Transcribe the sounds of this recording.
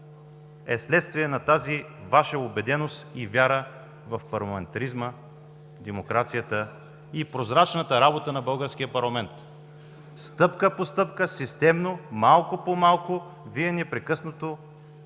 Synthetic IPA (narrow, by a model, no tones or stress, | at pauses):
ɛ̰slɛt̪st̪viɛnɐt̪azi | vaʃəobɛd̪ɛnost̪ivʲjaɾə | vɐfpɐɾlˠɐmɛnt̪ɐɾizmə | d̪ɛmokɾat̪sijət̪ə | ipɾozɾat͡ʃnət̪əɾabot̪ənɐbɤlˠɡəɾsk̟ijəpɐɾlˠɐmɛnt̪ | st̪ɤpkəpost̪ɤpkəsist̪ɛmnomalˠkopomalˠkʊ | viɛnɛpɾɛkɤsnot̪o